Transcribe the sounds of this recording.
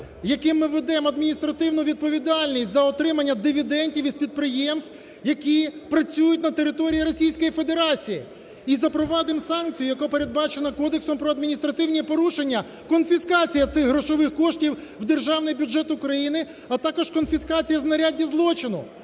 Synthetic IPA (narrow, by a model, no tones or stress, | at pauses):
jɐkɪmːɪʋed̪ɛmɐd̪mʲinʲist̪ɾɐt̪ɪwnʊʋʲid̪̚pɔʋʲid̪ɑlʲnʲisʲtʲzɐɔt̪ɾɪmɐnʲːɐd̪ɪʋʲid̪ɛnʲtʲiwispʲid̪̚pɾɪjɛmst̪w | jɐkʲipɾɐt͡sʲujʊtʲnɐt̪eɾɪt̪ɔɾʲijiɾɔsʲijsʲkɔjifed̪e̞ɾɑt͡sʲijḭ | izɐpɾɔʋɑd̪ɪmsɑnkt͡sʲijʊjɐkɔpeɾe̞d̪bɑt͡ʃenɐkɔd̪eksɔmpɾɔɐd̪mʲinʲist̪ɾɐt̪ɪwnʲipɔɾuʃe̞nʲːɐ | kɔnfʲiskɑt͡sʲijɐt̪sɪɣɦɾɔʃɔʋɪxkɔʃtʲiwwd̪erʒɑwnɪjbʲud͡ʒɛt̪ʊkɾɐjinɪ | ɐt̪ɑkɔʃkɔnfʲiskɑt͡sʲijɐznɐɾʲadʲːizlˠɔt͡ʃɪnʊ